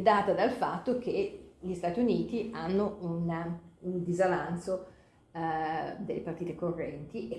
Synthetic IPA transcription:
d̪aːt̪ad̪alfat̪ːok̟eʎist̪aːt̪iuniːt̪ianːounund̪izalanso | d̪elːḛpart̪iːt̪ekorːɛnt̪iʔe

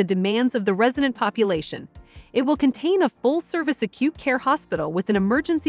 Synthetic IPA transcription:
ɨdɨmæ̃ndzʌvðɨɹɛzɨɾɨ̃npʰɑpjɨleɪʃɨ̰̃nɨt̚wəlˠkɨ̃ntʰẽɪ̃nəfʊlˠsɜ˞vɨsɨkʰj̥ʉt̚kʰɛɹhɑspɪɾl̩ˠwɨðɨ̃nɨmɜ˞d͡ʒɨ̃nsi

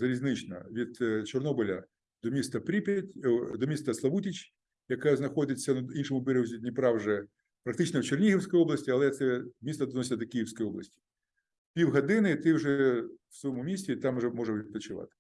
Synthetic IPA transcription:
zɐɾʲizʲnɪt͡ʃnɐ̰ʋʲid̪̥t͡ʃɔrnɔbɪlʲɐ | d̪̥ɔmʲist̪ɐpɾʲipʲtʲd̪ɔmʲist̪ɐslˠɐʋutʲit͡ʃʲ | jɐkaznɐxɔd̪ʲɪt͡sʲːɐnuinʃɔmʊbɛɾewzʲinʲipɾɑwʒɛ | pɾɐk̚t̪ɪt͡ʃnɔwt͡ʃernʲiɦiwsʲkɔjɔblˠɐsʲtʲiɐlˠɛt̪sɛmʲist̪ɐd̪nɔsʲd̪ɔkʲijiwsʲkɔjɔblˠɐ̰sʲtʲi̥ | pʲiwɦɐd̪ɪnɪt̪ɪwʐɛw̥sɔjɔmʊmʲisʲtʲit̪ɑmʒɛmɔʐɛw̪p̪ɐt͡ʃɪʋɑ̰t̪ɪ̥

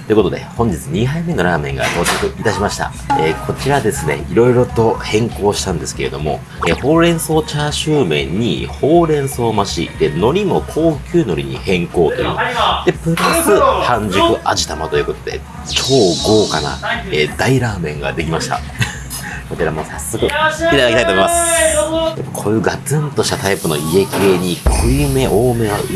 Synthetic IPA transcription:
t̪o̞jɨ̟ko̞t̪o̞d̪e̞̰hõ̞ɲ̟d͡ʑit͡sɨɲ̟iɦaime̞no̞ɾaːmẽ̞ŋɡa̰t̪oːt͡ɕokɯ̟it̪aɕimaɕi̥t̪a̰ | eːkʰo̞t͡ɕiɾad̪e̞sɨne̞̰iɾo̞iɾo̞t̪o̞hẽ̞ŋko̞ːɕi̥t̪ãnd̪e̞sɨ̥ke̞ɾe̞̰d̪o̞mo̞ | eho̞ːɾẽ̞ɰ̃so̞ːt͡ɕaːɕɨːmẽ̞̰ɲ̟ːḭho̞ːɾẽ̞ɰ̃so̞ːmaɕḭd̪̥e̞no̞ɾʲimo̞kʰo̞ːkʲɨːno̞ɾʲiɲ̟ḭhẽ̞ŋko̞ːt̪o̞jɯ̟̰ːd̪̥e̞pɯ̟ɾasɨhãɲd͡ʑɨkɯ̟ʔaʑi̥t̪amat̪o̞jɯ̟ko̞t̪o̞d̪e̞̰ | t͡ɕo̞ːɡo̞ːkana̰eːd̪aiɾaːmẽ̞ŋɡa̰d̪e̞kʲimaɕi̥t̪a̰ | kot͡ɕiɾamo̞ːsasːo̞kɯ̟it̪ad̪akit̪aitomimas | d̪emokʰo̞ːjɯ̟ːɡat͡sɨ̃nt̪o̞ɕi̥t̪at̪aipɯ̟no̞̰ie̞kʲieɲ̟ikʰojime̞ʔoːme̞βa̰

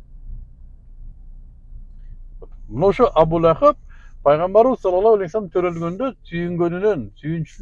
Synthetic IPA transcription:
mʊnɑwʃəʔɑbulˠɑqəp̚pʰːɑjʁɑmbɑɾuwzsɑlˠɑlˠɑwælejsɑmt̪ʰɵɾelɡʲend̪esʰʏjɪŋɡʲønɪnensyjɪnʃɪ

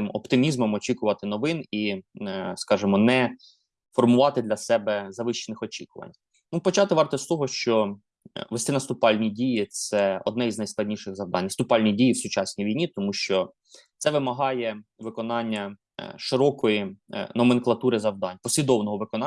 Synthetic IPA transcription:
ɪmɔpt̪ɪmʲizmɔmɔt͡ʃʲikʊʋɐt̪ɪnɔʋɪni | skɑʒɪmɔnɛ | fɔrmʊʋɑt̪ɪd̪lʲɐsɛbɛzɐʋɪʃt͡ʃːenɪxɔt͡ʃʲikʊʋɐ̰nʲ | nupɔt͡ʃɑt̪ɪʋɑrt̪ɔst̪ɔɦɔʃt͡ʃɔ | ʋest̪ɪnɐst̪ʊpɑlʲnʲidʲijit̪sɛɔ̰d̪nɛjznɐjsklˠɐdʲnʲiʃɪɣzɐwd̪ɑ̰nʲst̪ʊpɑlʲnʲidʲijiwsʊt͡ʃɑsʲnʲijʋʲijnʲit̪ɔmuʃt͡ʃɔ | t̪sɛʋɪmɐɦɑjɛ | ʋɪkɔnɑnʲːɐ | ʃɪɾɔkɔjinɔmenklˠɐt̪uɾɪzɐwd̪ɑnʲpɔsʲlʲid̪ɔwnɔɦɔʋɪkɔnɑ

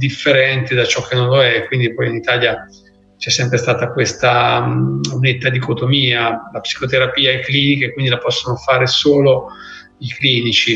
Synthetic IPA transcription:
d̪ifːeɾɛnt̪ed̪at͡ʃɔkʰːenːõnloɛkːwind̪ipɔjinit̪aːlja | t͡ʃɛsːɛmpɾest̪aːt̪akwest̪a | unet̪ːad̪ikot̪omiːalapsi̥kot̪eɾapiːaekliːnik̟ekwind̪ilapɔsːonofaːɾesoːlo | ikliːnit͡ʃi

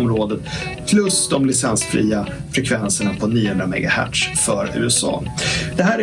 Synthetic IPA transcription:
mɾoːd̪ət̪ | pʰlɵsd̪ɔmlɪsɛnsfɾḭːafɾɛkʰvɛnsəɳapʰɔniːhɵnd̪ɾamɛ̰ɡahæ̰ʈʂfœɾʉ̟̰ːɛsɑ̰ːd̪̥ɛɦæːɾ

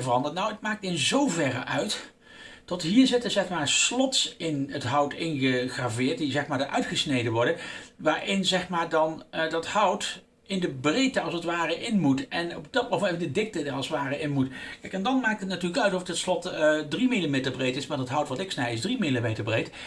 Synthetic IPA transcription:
vərɑndətnawətmaːk̚tɪnzowvɛrə̰ʔœɥt | d̥ɑtɦiːɹzɪtənzɛχmaːɹslɔtsɪnətɦʌwtɪnχəχraːvɪːɹt̚dizɛχmaːɹdəʔœ̰ɥtχəsnejdənʋɔɹdənʋaːɹʔɪnzɛχmaːɹdɑndɑthʌwt | ɪndəbrejtəɑlˠsətʋaːrəʔɪnmutɛnɔbd̥ɑtmowmɛfɪndədɪk̚tədərɑlˠsʋaːrəʔɪnmutkɛjkɛndɑnmaːk̚tətnatyːɹləkœɥtɔftɔtslɔtdrimilimejtəɹbrejtɪsmadətɦʌwtʋɑtɪksnɛjɪzdrimilimejtəɹbrejt

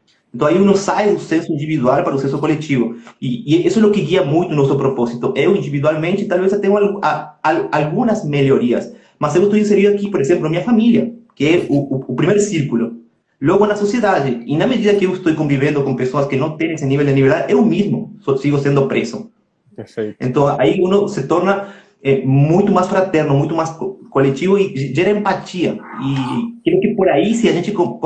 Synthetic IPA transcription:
ẽnt̪õaiunõsajðʊsẽnsʊĩniβiðwalpaɾɐʊsẽnsʊkolek̚t͡ʃ̪iβʊiʔesoɛlokɪɣiɐmũjt̪ʊnosopɾoposit̪ʊʔewĩnd̪iβiðwalmẽnt͡ʃɪt̪alβesat̪ẽŋʊalaalalɡũnɐzmeljoɾiɐ̰s | masewɪst̪ojĩs̬eɾĩɾʊakipoɾesẽmplʊmiɲɐfamiljɐkeɛuːpɾimeɾsiɾkulʊ | loɣʊnɐsosjeðad͡ʒɪinɐmeðiðɐkɪewest̪ojkõmbiβẽnd̪okõŋpesoɐskenõw̃t̪ẽŋeseniβeld̪eniβeɾd̪aðʔewmizmʊsosiɣosẽnd̪ʊpɾeso | eḛ̃nt̪õŋa̰iũnʊset̪oɾnɐ | ɛmũjt̪ʊmasfɾat̪ɛɾnomũj̃t̪̬omajskokolekt͡ʃ̪iβoiʒeɾɐẽmpat͡ʃ̪iɐikɾeokɪpoɾaisiaʒẽnt͡ʃɪko

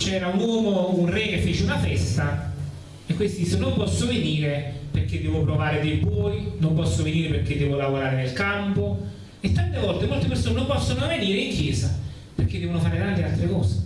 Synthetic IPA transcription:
t͡ʃɛːɾaunwɔːmounrɛkefːeːt͡ʃeunafɛst̪a | ekːwest̪od̪iːsːonompɔsːoveniːɾeperk̟ːed̪ːɛːvopɾovaːɾed̪ejbɔːjnompɔsːoveniːɾeperk̟ed̪ːɛːvolavoɾaːɾenelkampo | et̪ːant̪evɔlt̪emolt̪epersoːnenompɔsːonoveniːɾeiŋkjɛːsa | perk̟ed̪ːɛvonofaːɾet̪ant̪ealt̪ɾekɔːse̥

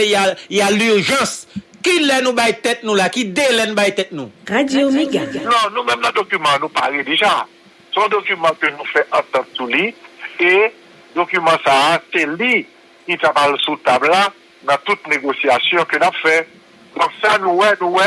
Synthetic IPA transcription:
ejajalyʁʒʌ̃skilɛnũbajt̪ɛt̪̚nũlakid̪elɛnũbajt̪ɛt̪̚nṵ̃ʁadjomeɡanɔ̃nũmɛ̃mnãd̪okymãanũpaʁed̪eʒa | sɔ̃d̪okymɑ̃kønũfɛʔãt̪ãt̪sulie | d̪okymãsaːseli | kit̪apalsut̪abla | nãt̪ut̪̚neɡosijasjɔ̃kønapfɛ | dɔ̃ksanũwɛnũwɛ

